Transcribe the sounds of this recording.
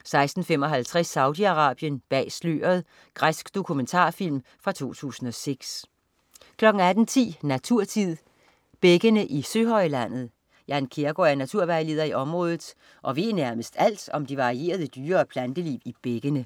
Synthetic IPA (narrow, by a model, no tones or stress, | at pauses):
sɑ̈ɪsd̥n̩fem̰ɒ̽ɦælt͡sʰʁɛsːɑ̈ʊd̥iɑ̈ʁɑ̰̈ːb̥jənb̥ɛ̰ːslø̰ːɐð̞ˠ | ɡ̥ʁasɡ̥d̥o̝kʰument͡sʰɑ̰̈ːfil̰m | fʁɑ̈t͡sʰo̝̰ːt͡sʰṵːsn̩ɒ̽seɡ̥s | kʰlɒ̽ɡ̥ŋ̩æd̥n̩t͡sʰḭːnæt͡sʰuɐ̰t͡sʰið̰ˠ | b̥eɡ̥ənəʔisøːɦɒ̽ɪlæn̰ð̞̩ˠ | jɑ̈nkʰe̝ɐɡ̥oæɐnæt͡sʰuɐ̰ʋæɪle̝ːð̞ˠɐiɒ̽mʁɔ̽ːðˠð̩ˠ | ʔɒ̽ʋe̝̰ːnæɐməsd̥æl̰d̥ɒ̽md̥iʋɑ̈ʁie̝̰ːɐðˠəd̥yːɐːpʰlænd̥əliːib̥eɡ̥ənə